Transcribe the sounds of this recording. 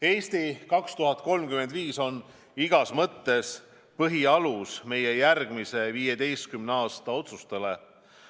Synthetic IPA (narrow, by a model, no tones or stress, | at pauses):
e̞ːst̪ikɑkst̪uɦɑt̪̚ko̞lmkyme̞nd̪viːso̞n | iɡ̥ɑsmɤt̪ːe̞s | pɤɦiɑlusme̞je̞jærɡ̥mise̞viːjed̪e̞jst̪̚kymneɑːst̪ɑo̞t̪sust̪ele̞